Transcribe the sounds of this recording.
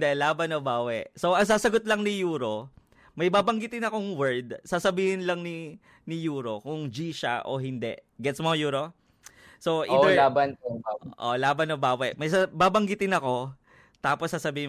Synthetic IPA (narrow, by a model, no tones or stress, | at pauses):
d̪ɛlaːbɐnobaːwɛ̰ʔsoʔɐŋsaːsɐɡot̪lɐŋnɪjuːɾo̞ | mɐjbaːbɐŋɡɪt̪ɪnɐkoŋwɛɹd̪̚saːsɐbiːhɪnlɐŋni | nɪjuːɾo̞kʊŋd͡ʒiːʃɐ̰ʔo̞̰ɦɪnd̪ɛ̰ʔɡɛt̪smojuːɾo̞ | soʔiːdɛlaːbanobawʔo̰laːbɐnobaːwɛʔmɐjsabaːbɐŋɡɪt̪ɪnɐko̞ | t̪aːposːaːsɐbiːhɪ